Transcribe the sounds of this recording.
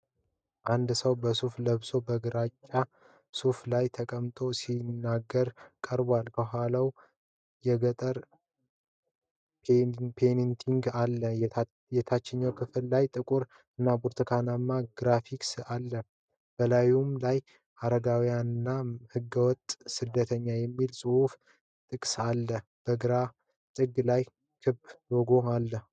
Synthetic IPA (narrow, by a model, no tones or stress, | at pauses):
ʔand̪səwbəsufləβso̞bəɡɨɾat͡ʃʼːa | suflajt̪ʰəkʼəmt̪ʼo̞sinːaɡːəɾkʼəɾbwalbəɦʷalaw | jɛɡət̪ʼəɾ | pʰenint̪ʰiŋɡalːə | jɛt̪ʰat͡ʃːɛɲːəwkʰɨfɨllajt̪ʼɨkʼuɾ | ɨnːabuɾt̪ʰəkʰanamːaɡɾafiksalːə | b̥əlajumlaj | ʔaɾəɡawijanɨnːahɨɡːəwɔt̪ʼːsɨd̪ːət̪ʰəɲːajɛmːilsʼɨhuf | t̪ʼɨkʼsalːə | b̥əɡɨɾa | t̪ʼɨɡlaj | kʰɨbdoɡo̞alːə